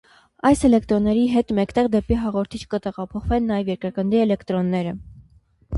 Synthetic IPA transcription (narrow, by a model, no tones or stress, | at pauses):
ɑjsɛlɛkt̪ɾɔnːɛɾiɦɛt̪mɛkt̪ɛʁd̪ɛpiɦɑʁɔɾt̪ʰit͡ʃʰkət̪ɛʁɑpʰɔχvɛnːɑjɛvjɛɾkɾəkənd̪iɛlɛkt̪ɾɔnːɛɾə